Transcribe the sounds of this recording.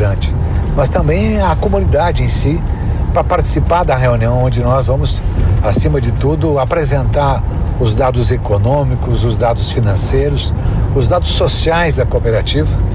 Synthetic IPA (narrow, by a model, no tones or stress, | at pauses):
ɐ̃t͡ʃɪ̥ | mɐst̪ɐ̃mbẽj̃ɐkomũnid̪ad͡ʒɪẽj̃si | pɾɐpaɾt͡ʃɪ̥sipaɾd̪ɐɦeũniɐ̃w̃õd͡ʒɪnɔzvɐ̃mʊsasĩmɐd͡ʒɪt̪ud̪ʊapɾezẽnt̪aɾ | ʊzd̪ad̪ʊzekonõmikʊzʊzd̪ad̪ʊsfinɐ̃sejɾʊsʊzd̪ad̪ʊsːosiajzd̪ɐkopeɾat͡ʃivɐ